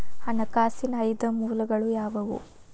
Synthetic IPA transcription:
hɐnɐkaːsinɐjd̪ɐmuːlɐɡɐɭujaːʋɐʋṵ

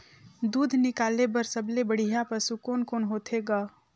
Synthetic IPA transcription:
d̪uːd̪ʱnɪkaːlebəɾsəblebəɽ̤ijapəɾsukoːnkoːnɦoːt̪ʰeɡaː

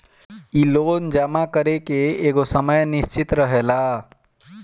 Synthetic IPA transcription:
iloːnd͡ʒamakəɾekeeɡosəməjnist͡ʃit̪ɾəɦela

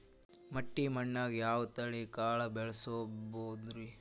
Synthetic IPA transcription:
mɐʈːimɐɳːaːɡjaːʋɐt̪ɐɭikaːɭɐbɛɭɐsoːboːd̪ɾi

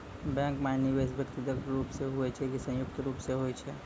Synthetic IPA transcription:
bɛ̃ŋkmaniʋes̬bʱəkt̪id̪əkɾuːpseɦuɛt͡ʃʰɛkisə̃jʊkt̪ɾuːpseɦoɛt͡ʃʰɛː

